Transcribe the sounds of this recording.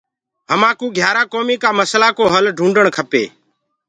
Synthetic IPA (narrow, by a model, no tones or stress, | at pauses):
ɦəmãːkuːɡʱjaːɾaːkoːmiːkaːməslaːkoːɦəlɖʱũːɳɖəɳkʰəpḛː